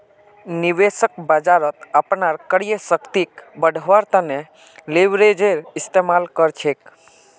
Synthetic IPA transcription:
niʋesəkbad͡ʒaɾət̪apnaɾkəɽijəsəkt̪ikbəɖʱʋaɾt̪əne | leʋɾed͡ʒeɾɪst̪emalkəɾt͡ʃʰek

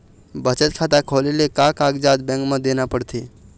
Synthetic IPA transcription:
bət͡ʃət̪̚kʰat̪akʰolelekakaɡd͡ʒad̪bẽŋkmə̃d̪enapəɽt̪ʰe

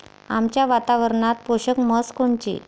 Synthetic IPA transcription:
amt͡ɕjaʋat̪aʋəɾɳat̪̚poɕəkməskoɳt͡ɕḭ

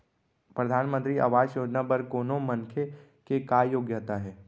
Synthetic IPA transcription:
pɾɐd̪ʱaːnmə̃nt̪ɾia̰ʋaːd͡ʒjoːd͡ʒnabɐɾkoːnomɐ̃ŋkʰe | kekajoːɡjət̪aɦɛː

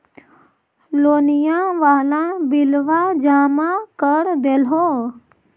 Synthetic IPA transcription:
loːnijãʋaːlãbɪlʋad͡ʒaːmãkəɾd̪elɦoː

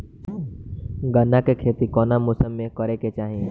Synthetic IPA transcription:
ɡənːakekʰeːt̪ikɔːnamʊsəmːẽkəɾeket͡ʃaːɦie

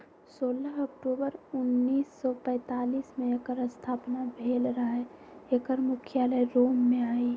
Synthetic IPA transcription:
soːləɦəkʈuːbəɾʊnːiːsːɔpɛ̃ːt̪aːliːsmẽekəɾəst̪ʰaːpnabʱeːlɾəɦɛekəɾmʊkʰjaləjɾoːmːẽaːi

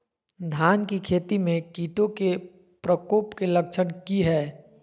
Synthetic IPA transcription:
d̪ʱaːnkikʰeːt̪imẽkiːʈõke | pɾəkoːpkelɐkʃənkiɦɛː

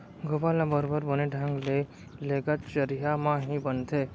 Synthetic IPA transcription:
ɡʊbalãbəɾbəɾbəneɖʱə̃ŋɡle | leːɡət̪t͡ʃəɾijamãɦibənt̪ʰeː

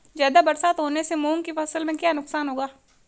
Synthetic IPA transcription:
zjaːd̪abɐɾsaːt̪ɦoːnesemuːŋkifɐsəlmẽkjaːnʊksaːnɦoːɡaː

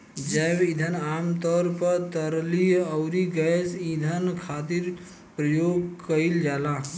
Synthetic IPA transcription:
d͡ʒəbid̪ʱənamt̪ɔɾpəɾt̪əɾliəʊɾiɡəsid̪ʱənkʰat̪iɾ | pɾəjoɡkəild͡ʒala

